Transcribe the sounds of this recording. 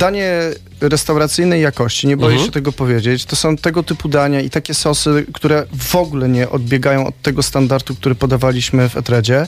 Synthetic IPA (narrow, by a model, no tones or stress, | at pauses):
d̪aɲɛ | ɾɛst̪awɾat̪sɘjnɛjːakɔɕt͡ɕiɲɛbɔjɛɕɛt̪ɛɡɔpɔvʲjed͡ʑet͡ɕt̪ɔsɔ̃w̃t̪ɛɡɔt̪ɘpud̪aɲait̪akʲɛsɔsɘkt̪uɾɛvɔɡulɛɲɛʔɔd̪̚bʲjɛɡajɔ̃w̃ɔ̰t̪ːɛɡɔst̪and̪aɾt̪uk̚t̪uɾɛpɔd̪avalʲiɕmɘvɛ̰t̪ɾɛd͡ʑɛ